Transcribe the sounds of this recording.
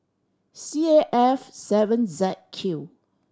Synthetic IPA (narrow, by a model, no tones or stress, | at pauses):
sieʔɛfsɛvə̃nzɛt̚kʰju